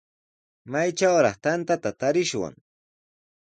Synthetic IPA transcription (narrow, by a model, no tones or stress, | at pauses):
majt͡ʃawɾɑχt̪ant̪at̪at̪aɾɪʃwa̰ŋ